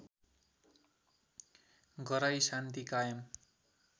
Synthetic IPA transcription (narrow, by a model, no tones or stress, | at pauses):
ɡʌɾajsant̪ikajʌm